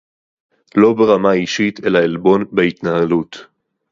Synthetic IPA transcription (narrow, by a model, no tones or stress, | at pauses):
lo̞beʁamaiʃit̪elaelbo̞nbeit̪nahalut